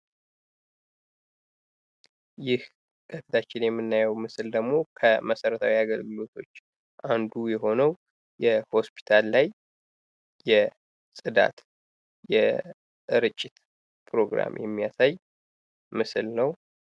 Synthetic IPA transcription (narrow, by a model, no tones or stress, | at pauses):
jɪh | kʰʼət̪ɨt̪ʰat͡ʃːɪnjɛmːɨnːajɛwmɨsɨld̪əɡmo̞kʰəməsəɾət̪ʰawiaɡəlɡɨlo̞t̪ʰo̞t͡ʃː | ʔand̪ujɛɦo̞nəw | jɛho̞spʰi̥t̪ʰalːajː | ɛ | sʼɨd̪a̰t̪ | jɛ | ɨɾɨt͡ʃʼːɪt̪ | pʰɾo̞ɡɾa̰mjɛmːijasaj | mɨsɨlnəw